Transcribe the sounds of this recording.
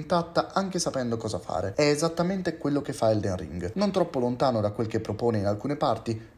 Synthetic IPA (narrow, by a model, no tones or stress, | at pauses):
nt̪at̪ːaaŋk̟esapɛnd̪okɔːzafa̰ːɾeɛːzat̪ːament̪ekwelːok̟efːaɛld̪enrḭŋɡnont̪ɾɔpːolont̪aːnod̪akwelk̟epːɾopoːneinalkuːnepart̪i